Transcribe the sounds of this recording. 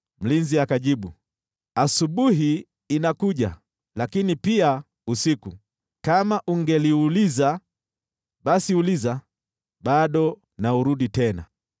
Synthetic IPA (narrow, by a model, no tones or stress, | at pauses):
m̩linziakaʄiɓu | asuɓuɦiː | nakuʄa̰ | lakinipia | usiku | kamaʔuŋɡɛliuliza | ɓasiuliza | ɓaɗɔ | nauɾuɗitɛna̰